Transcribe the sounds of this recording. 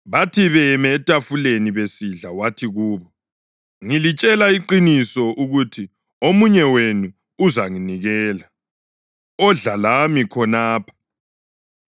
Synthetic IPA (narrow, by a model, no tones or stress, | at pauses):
βatʰiβɛmɛːtʼafuleniβesiɮawatʰiɣuːβɔ | ŋilit͡ʃʼɛlaiǃinisɔʔuɣutʰi | omuɲɛwenuː | zaŋiniɣɛːla | ɔɮalamikʰɔnaːpʰḁ